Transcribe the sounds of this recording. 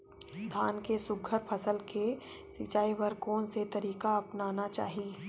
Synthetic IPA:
d̪ʱaːnkesʊɡʱəɾpʰəsəlke | sɪt͡ʃaːipəɾkɔːnset̪ɐɾiːkaɐpnaːnat͡ʃa̰ːɦi

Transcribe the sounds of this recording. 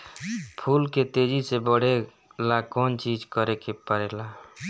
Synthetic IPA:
pʰulket̪ed͡ʒisebəɽ̤e | lakɔnt͡ʃid͡ʒkəɾekepəɾela

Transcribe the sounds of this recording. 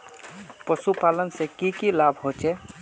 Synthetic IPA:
pəsupalənsẽkikilabʱɦot͡ʃɛ

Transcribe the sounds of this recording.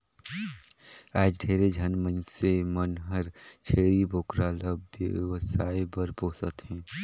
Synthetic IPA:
aːd͡ʒɖʱeːɾed͡ʒʱənmənsemənɦəɾt͡ʃʰeːɾibʱoːkɾaːləbjə̰ʋsaːibəɾboːsət̪ɦɛ̃ː

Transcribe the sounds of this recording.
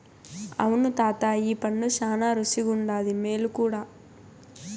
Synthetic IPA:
ɐ̰wunut̪aːt̪aiːpɐɳːuʃaːnaːɾusiɡuɳɖaːd̪imeːlukuːɽaː

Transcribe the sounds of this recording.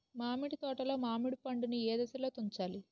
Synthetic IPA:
maːmiɽit̪ɔːʈɐlo̞ːmaːmiɽupɐɳɖunieːd̪ɐsɐloːt̪uɲt͡ʃaːli

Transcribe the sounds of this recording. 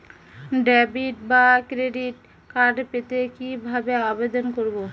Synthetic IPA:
ɖɛbiʈbakɾeɖiʈ | kaɾɖpet̪ekibʱabeabed̪onkoɾbo

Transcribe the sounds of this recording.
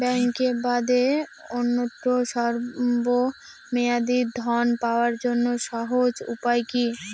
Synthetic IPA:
bɛŋkebad̪eonːoʈ̪ːoʃɔɾbo | mead̪id̪ʱɔnpaoaɾd͡ʑonːoʃɔɦod͡ʑṵpajki

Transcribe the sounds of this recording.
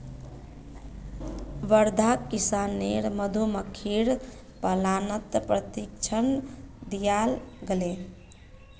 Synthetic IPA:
ʋəɾd̪ʱakisanːeɾməd̪ʱuməkʰiɾ | pəlanət̪pɾət̪ikt͡ʃʰənd̪ijalɡele

